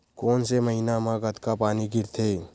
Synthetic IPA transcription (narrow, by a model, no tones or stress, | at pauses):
koːnseməɦinamãɡət̪kapaːniɡɪɾt̪ʰeː